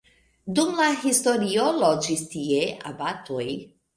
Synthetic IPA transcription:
d̪umlahist̪oɾiolod͡ʒist̪ieʔa̰bat̪oj

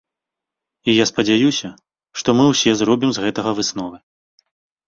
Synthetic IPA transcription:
ijaspɐd͡zʲajusʲɐ | ʂt̪ɔmɨwsʲɛzɾɔbʲimzɣɛt̪ɐɣɐvɨsnɔvɨ

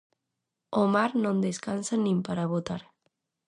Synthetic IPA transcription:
omaɾnõnd̪eskansanĩmpaɾaβot̪aɾ

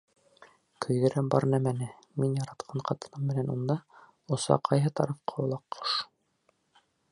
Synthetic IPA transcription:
kʰɵ̆jðɘ̆ɾæmbɑ̰ɾnæmænɘ | minjɑɾɑt̪qʰɑɴqʰɑt̪ɤ̆nɤmːɘ̆nænund̪ɑ | ŏsɑ̰qʰɑjɦɤt̪ɑ̰ɾɤfqɑulˠɑqːo̥ʃ

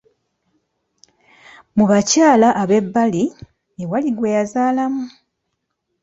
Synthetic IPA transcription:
muβacaːlaʔːβe̞bːali | ewaliɡwe̞jazaːlamu

